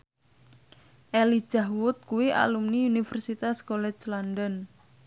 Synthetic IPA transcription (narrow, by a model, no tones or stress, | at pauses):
ʔeli̥ʒ̥aɦwʊt̪̚kuwiʔa̰lumniunifɛrsit̪askolɛt͡ʃlandən